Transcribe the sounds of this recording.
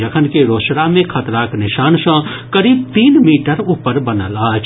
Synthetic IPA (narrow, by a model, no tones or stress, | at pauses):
ɐkʰənkeɾoːʃɾamẽkʰɐt̪ɾaːknɪʃaːnsãkəɾiːb̚t̪iːnmiːʈəɾuːpəɾbɐnəlaːt͡ʃʰ